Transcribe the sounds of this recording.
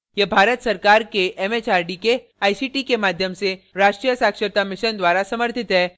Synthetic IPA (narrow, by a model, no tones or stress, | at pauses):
jebʱaːɾət̪sɐɾkaːɾkeʔɛmeːt͡ʃaːɾɖike | aːjsiːʈikemaːd̪ʱjəmseɾaːʃʈɾijəsaːkʃəɾt̪amɪʃənd̪waːɾasɐməɾt̪ʰɪt̪ɦɛː